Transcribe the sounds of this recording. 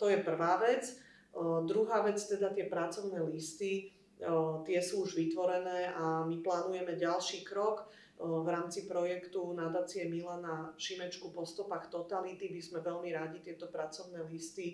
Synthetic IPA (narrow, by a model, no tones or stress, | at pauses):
t̪ɔjɛpr̩ʋaːʋɛt͡s | d̪ɾuɦaːʋɛt͡st̪ɛd̪at̪ɪɛpɾat͡sɔʊnɛːlist̪i | t̪ɪɛsuːuʒʋit̪ʋɔɾɛnɛːʔamiplaːnujɛmɛɟalʃiːkɾɔk | ʋɾaːmt͡sipɾɔjɛkt̪unad̪aːt͡sijɛmilanafʃimɛt͡ʃkupɔst̪ɔpaxt̪ɔt̪alit̪ibizmɛʋɛlmiɾaɟit̪ɪɛt̪ɔpɾat͡sɔʊnɛːlist̪i